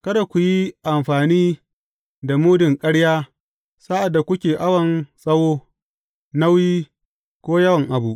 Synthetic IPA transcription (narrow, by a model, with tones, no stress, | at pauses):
kɐ˦da˨kʷu˨ji˦ʔa˨mɸaː˨niː˦ | da˨muː˦dɪ˨ŋkʼɐ˦ɽjaː˦ | sa˦ʔa˨dːa˨kʷʊ˦kʲeː˨ʔa˦wɐ˨nsʼɐ˦woː˦ | na˦wjiː˦ | kʷoː˦jɐ˦wɐ˨ŋʔa˨bu˦ʔ